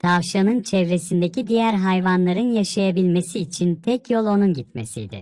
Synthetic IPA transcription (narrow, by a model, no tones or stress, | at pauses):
t̪ʰavʃanɯnt͡ʃʰɛvɾe̞sind̪ecid̪ijæɾɦajvanlˠaɾɯnjaʃajabilʲme̞siːt͡ʃʰint̪ʰɛcjo̞lˠo̞nunɟit̪mḛsḭjd̪ɪ̰